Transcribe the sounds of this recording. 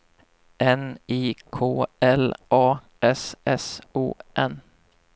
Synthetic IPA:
ʔɛniːkʰoːʔɛlʔɑː | ɛsɛsṵːʔɛn

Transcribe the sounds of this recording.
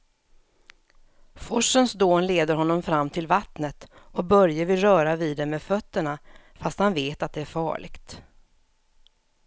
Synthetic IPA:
fɔʂənsd̪oːnleːd̪əɾhɔnːɔmfɾamːt̪ʰɪlvat̪nət̪ | ɔk̚bœɾjəɾvɪlɾœːɾaviːd̪ɛmɛfœt̪ːəɳafast̪hanveːt̪at̪̚d̪ɛæɾfɑ̰ːɭɪ̰ɡt̪

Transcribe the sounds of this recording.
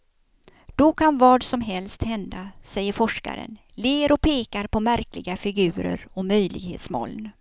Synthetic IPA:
d̪̥ɔkʰanvɑːɖsɔmɦɛlst̪hɛnd̪asɛjːəɾfɔʂka̰ɾə̰n | leːɾɔpʰeːkaɾpʰɔmæɾklɪɡafɪɡʉ̟ːɾə̰ɾɔmœjlɪɡhḛːt̪smɔ̰ːln

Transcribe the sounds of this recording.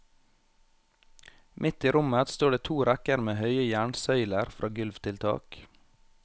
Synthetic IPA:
mʔɪt̪iːɾʊmət̪st̪oːɖeːt̪ʰuːɾækəɾmeːhœʏəjæːɳsœʏləɾfɾʔɑ̰ːɡʉlʋt̪ʰɪlt̪ʰɑ̰ːk

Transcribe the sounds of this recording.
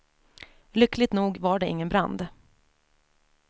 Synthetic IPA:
lʏklɪɡ̚t̪nuːɡvaɖɛɪ̰ŋːənbɾa̰nd̪

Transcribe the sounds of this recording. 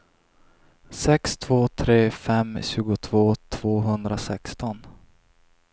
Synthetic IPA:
sɛkst̪ʰv̥oːt̪ʰɾeːfɛmɕʉ̟ːɡʊt̪ʰv̥oːt̪ʰv̥oːɦɵnd̪ɾasɛ̰kst̪ɔn

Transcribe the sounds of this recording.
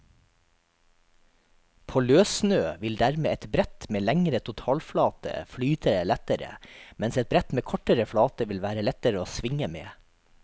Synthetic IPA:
pʰoːløːsnøːʋɪld̪æɾmḛːʔɛt̪bɾɛt̪meːlæŋɾət̪ʰʊt̪ʰɑːlflɑːt̪ə̰flyːt̪ʰəɾəlɛt̪əɾə̰mɛnsɛt̪̚bɾɛt̪meːkʰɔʈəɾəfɽɑːt̪əʋɪlʋæːɾəlɛt̪əɾəoːsʋɪŋəmḛː

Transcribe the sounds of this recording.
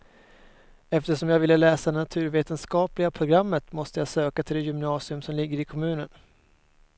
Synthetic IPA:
ɛft̪əʂɔmjɑːɡvɪlːəlɛːsad̪ɛnat̪ʰʉ̟ːɾveːt̪ənskɑːplɪɡapʰɾʊɡɾamːət̪mɔst̪əjɑːsøːkat̪ʰɪld̪ɛjʏmnɑːsɪɵmsɔmlɪɡːəɾɪkʰɔmʉ̟ːnən

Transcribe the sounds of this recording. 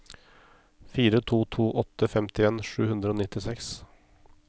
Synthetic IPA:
fiːɾət̪ʰuːt̪ʰuːʔɔt̪əfɛmt̪ɪeːnʂʉːhʉnd̪ɾəoːnɪt̪ːɪsɛks

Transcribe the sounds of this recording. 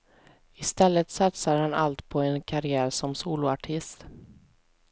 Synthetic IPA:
ɪst̪ɛlːət̪sat̪saɾhana̰lt̪pʰɔɛnkʰaɾɪæːɾsɔmsuːlʊaʈʰɪst̪

